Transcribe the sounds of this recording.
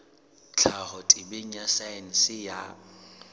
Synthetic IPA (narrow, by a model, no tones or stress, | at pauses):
t͡ɬʰahɔtʼɪbeɲ̩asan̩sɪja